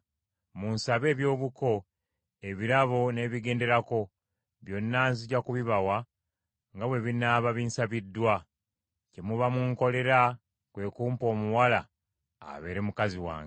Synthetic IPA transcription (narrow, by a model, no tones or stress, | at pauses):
munsaβe̞ːβjo̞ːβuko̞ | eβiɾaβone̞βiɡe̞ːnde̞ɾako̞ | βjo̞nːaːnziɟakuβiβawa | ŋɡaβwe̞βinaβaβiːnsaβidːwa | cemuβamuŋko̞le̞ɾa | kwe̞ːkuːmpo̞ːmuwala̰ː | βe̞̰ːɾemukaziwa̰ːŋ